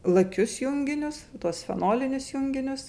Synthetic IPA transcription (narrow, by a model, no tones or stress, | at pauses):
lˠɐkʲʊsjʊŋʲɡʲɪnʲʊst̪uɔsʲfʲɛ̰noːlʲɪnʲʊsjʊŋʲɡʲɪnʲʊs